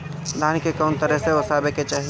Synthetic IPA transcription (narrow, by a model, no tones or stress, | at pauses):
d̪ʱaːnkekɔːnt̪əɾəɦseosaːbeket͡ʃɛɦ